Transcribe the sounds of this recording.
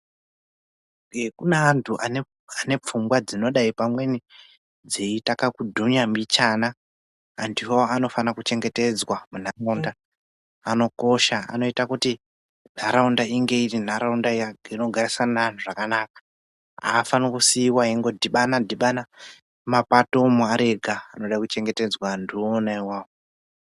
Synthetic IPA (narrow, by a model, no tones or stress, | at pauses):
kunaːntʰuʔane | ane̞p͡fumɡwad͡zino̞ɗaipamwe̞ni | d͡zeitakakudʱuɲamit͡ʃanaː | ndiwoano̞fanakut͡ʃe̞ŋɡe̞te̞d͡zwamun̤araundaː | no̞ko̞ʃaa̰no̞itakuti | n̤aɾaundaiŋɡe̞irin̤aɾaundaijaɡino̞ɡʱarisananuʐakanakḁ | a̰ːfanukusiːwaiŋɡo̞dʱiɓanadʱiɓana | mapatomuaɾe̞ɡʱaːnoɗakut͡ʃe̞ŋɡe̞te̞d͡zwandionaiwaːwo